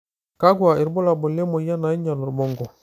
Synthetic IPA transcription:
ka˦ɡwa˨ʔi˨ɾbo˦la˨bo˨le˦mo˨ja˦na˨˦i˦ɲa˨lu˨ɾbo˦ŋɡɔ˨

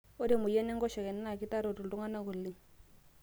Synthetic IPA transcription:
o˦ɾi˦˨mʊ˨jɛ˦nɛ˦ŋɡɔ˦ʃɛ˨kɛ˨n˦na˨ki˦ta˦ɾo˨tu˨lu˦ŋa˦na˦ku˨li˦ŋ

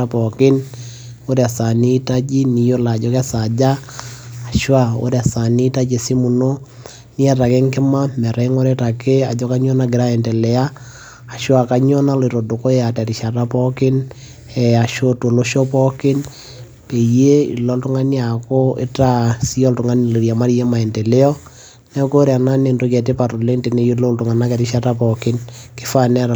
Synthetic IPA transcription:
a˦pɔ˨kɪ˦n | o˦ɾe˨a˨sa˨ni˦ta˦d͡ʒi˦ni˨jo˦la˨d͡ʒɔ˦ka˦sa˨d͡ʒaː˦˨ | ʃwa˦o̰˦ɾe˦a˨sa˨ni˦ta˦d͡ʒe˨si˦mu˨no˦ | ni˦a˨ta˨ke˦ŋkɪ˦ma˦mɛ˨ɾa˨i˦ŋo˦ɾe˦ta˨ke˦a˨d͡ʒɔ˦ka˦ɲɔ˦na˦ɡɪ˨ɾa˦ɛ˨ntɛ˨lɛ˨aː˦˨ | ʃwa˨ka˦ɲɔ˦na˦le˨ɾo˨do˨ko˦ea˨tɛ˨ɾi˨ʃa˨ta˦pɔ˦kɪ˦n | ɛ˨a˨ʃo˦to˨lo˦ʃɔ˦pɔ˦kɪ˦n | pe˨je˦ḭ˨lɔ˦ltʊ˦ŋa˦ni˦a˨ko˦ḛ˦ta˦si˦ɔ˦ltʊ˨ŋa˦ni˨lo˨ɾja˨ma˦ɾje˦ma˨ɛ˨nte˨le˦ɔ˦ | nɛ˦ko˦ɾe˨a˨na˦ne˨ndo˦kɛ˨te˦pa˨to˨le˦nte˨ne˦i˦lo˦ltʊ˨ŋa˨na˦kɛ˨ɾɪ˦ʃa˦ta˦pɔ˨kɪ˦nkɪ˦fa˦nɛ˦˨

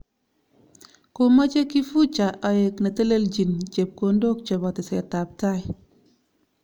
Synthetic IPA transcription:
ko˨ma˦t͡ʃe˦ki˦fu˦t͡ʃa˨ʔɔ˨je˨kne˨te˦le˦ld͡ʒi˨nt͡ʃe˨p̚ko˦ndo˦k̚t͡ʃe˨bɔ˨tɪ˨sɛ˨ta˨p̚ta˦j

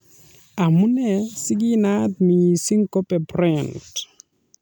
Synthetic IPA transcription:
a˨mu˦nɛ˨si˦ɡi˦na˦t̚mi˨i˨si˦ŋkɔ˦pɛ˨pɾɛnt

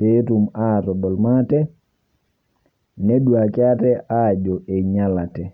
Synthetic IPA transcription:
pe˦tu˨ma˦˨tɔ˨dɔ˨lma˦tɛ˦ | nɛ˦dwua˨kɪ˦a˦tɛ˦ʔa˦˨d͡ʒɔ˨ʔe˨ɲa˦la˨tɛ˨

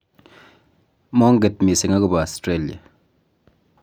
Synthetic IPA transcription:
mɔ˦ŋ˦ɡe˨t̚mi˨se˨ŋa˦kʊ˦˨ba˨a˨stɾe˦lja̰˨

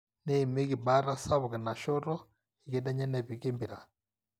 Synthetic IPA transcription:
ne˦˨me˦ɣi˨ba˦ɾa˦sa˦βɔ˨ɣɛ˨na˨ʃɔ˦ɾɔ˦ | i˨ɡe˦dɛ˦ɲɛ˦nɛ˨βi˨ke˦mbi˨ɾa˨

